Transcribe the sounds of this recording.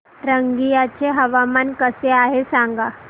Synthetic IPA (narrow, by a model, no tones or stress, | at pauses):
ɾəŋɡijat͡ɕʰeɦəʋamankəseaɦesãŋɡa